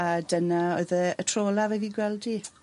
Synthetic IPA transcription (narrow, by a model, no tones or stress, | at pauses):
adənaoɨðəətʰroːlˠavɛviɡwɛlˠdi